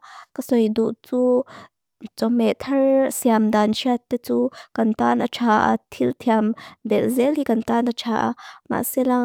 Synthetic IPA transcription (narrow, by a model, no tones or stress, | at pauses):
kɐsɔjd̪uʔt͡su | t͡sɔmɛt̪ʰɐrsiamd̪anʃʰiat̪ːet͡sukɐnt̪anɐt͡ʃʰaːʔa̰t̪ʰilt̪ʰiamd̪ɛlzɛlhikɐnt̪anɐt͡ʃʰaʔa̰ma̰ʔsela